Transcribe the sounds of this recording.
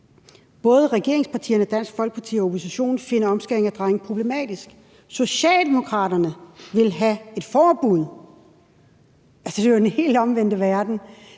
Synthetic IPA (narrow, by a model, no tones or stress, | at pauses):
b̥ɔ̽ːð̞ˠəʁɛɡ̥e̝ɐ̰eŋspʰɑ̈t͡sʰḭːɐnəɒd̥æn̰sɡ̥fɒ̽l̰ɡ̥əpʰɑ̈t͡sʰḭːɒ̽opʰo̝siɕo̝̰ːnfe̝nɐɒ̽msɡ̥eeŋæd̥ʁɑ̈ɪŋ̩pʰʁo̝b̥le̝mɛ̰ːd̥isɡ̥ | so̝ɕɛ̰ːld̥e̝mo̝kʰʁɑ̈ːɾɐnəʋe̝lɦæe̝d̥fɒːb̥uð̞̰ˠ | ælsəd̥e̝oenhe̝̰ːldɒ̽mʋen̰d̥əʋæɐd̥n̩